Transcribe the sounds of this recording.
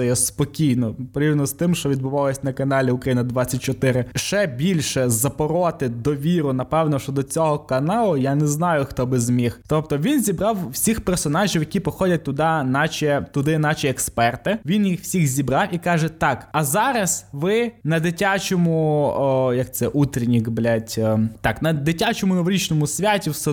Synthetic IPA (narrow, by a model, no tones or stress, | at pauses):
ɔjɛspɔkʲijnɔpɔɾʲiwnɔst̪ɪmʃt͡ʃɔʋʲid̪bʊʋɑlˠɔsʲɐnɐkɐnɑlʲiʊkɾɐjinɐd̪ʋat͡sʲːɐt̚ʲt͡ʃɔt̪ɪɾɪʃt͡ʃɛbʲilʲʃɛzɐpɔɾɔt̪ɪd̪ɔʋʲiɾʊnɐpɛwnɔʃt͡ʃɔd̪ɔt͡sʲɔɦɔkɐnɑlˠʊjanɛznɑjʊxt̪ɔbɪzmʲixt̪ɔp̚t̪ɔʋʲinzʲibɾɑwːsʲixpɛrsɔnɑʒʲiwjɐkʲipɔxɔdʲɐt̚ʲt̪ʊd̪ɑnɑt͡ʃʲɛt̪ʊd̪ɪnɑt͡ʃʲiɛkspɛrt̪ɪʋʲinjixw̥sʲixzʲibɾɑwikɑʒɛt̪ɑkɐzɑɾɐsʋɪnɐd̪ɪtʲat͡ʃɔmʊ | jɐk̚t̪sɛʔut̪ɾʲinʲiɡblʲatʲt̪ɑknɐd̪ɪtʲat͡ʃɔmʊnɔʋɔɾʲit͡ʃnɔmʊsʲʋʲatʲiwsɛ